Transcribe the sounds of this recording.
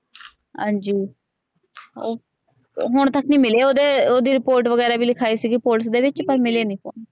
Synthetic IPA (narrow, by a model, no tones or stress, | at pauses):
ɦã̰ːɲd͡ʒiː | o | ɦʊɳ̃t̪əknĩːmɪleːoːd̪eːoːd̪iːɾɪpoːɾʈʋəɡɛːɾaːbʱiːlɪkʰaːiːsiːɡipoːlsd̪eːʋɪt͡ʃpəɾmɪleːnĩːpo̰ːn